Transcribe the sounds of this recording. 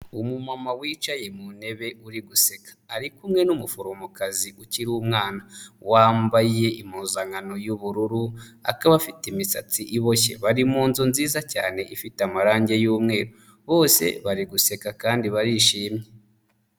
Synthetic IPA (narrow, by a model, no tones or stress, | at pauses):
umumamawiːt͡ʃaje̞mune̞βe̞uɾiɡuse̞kḁːɾikumŋe̞numufoɾomokaziʔuciɾuːmŋaːnawaːmbaje̞imuːzaŋano̞juβuɾuɾua̰kaβafitimisa̰t͡siʔiβo̞çe̞̰βaɾimuːnzunziːzaca̰ːne̞ʔifitamaɾaːɲɟe̞juːmŋe̞ːɾo | βo̞ːse̞̰βaɾiɡuse̞kakaːndiβaɾiʃiːmɲje̞